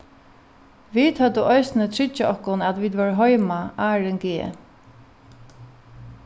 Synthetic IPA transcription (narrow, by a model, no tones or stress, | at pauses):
ʋiːt̪hœd̪əʔɔjsnət̪ʰɹɪt͡ʃːaɔhkʊnat̪ʋiːd̪ʋœɹɦɔjmaaːɹɛŋɡeː